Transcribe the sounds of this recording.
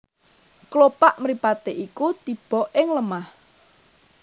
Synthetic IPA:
klopaʔməɾipat̪eʔikut̪ib̥ɔ̤ʔɪŋləmah

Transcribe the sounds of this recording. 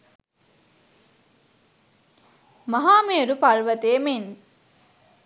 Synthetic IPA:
mɐɦaːmeːɾupaɾʋət̪eːmen

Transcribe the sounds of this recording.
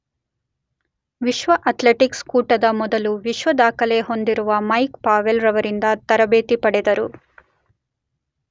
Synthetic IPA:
ʋiʃʋɐʔɐt̪leʈikskuːʈɐd̪ɐmɔd̪ɐluʋiʃʋɐd̪aːkɐleɦond̪iɾuʋɐmɐjkpaːʋelɾɐʋɐɾind̪ɐt̪ɐɾɐbeːt̪ipɐɽɛd̪ɐɾu

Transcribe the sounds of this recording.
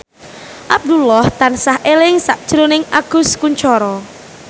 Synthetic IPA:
ʔab̚d̪ulɔht̪ansahelɪŋsaʔd̥ʒ̥əɾonɪŋaɡ̥ʊ̤skuɲt͡ʃɔɾɔ

